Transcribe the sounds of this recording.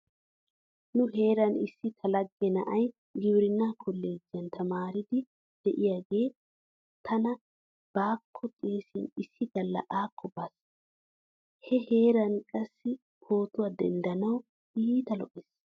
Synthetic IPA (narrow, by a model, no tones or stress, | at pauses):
nʊɦe̞ːɾɐnɪsːɪt̪ʰɐlɐɡːɛnɐ̰ʔɐj | ɡɪwɾɪnːaːkʰɔlːeːd͡ʒɪjɐnt̪ʰɐmaːɾɪd̪ɪ | d̪̥ɛʔɪjaːɡe̞ː | t̪ʰɐnɐ | b̥aːkʰːɔt̪ʼeːsɪnɪsːɪd̪ɐlːɐ̰ʔaːkʰːɔbas | hɛhe̞ːɾɐnkʼɐsːɪ | kʰo̞ːt̪ʊwad̪ɛ̰nd̪ɐnɐw | iːt̪ɐlɔʔes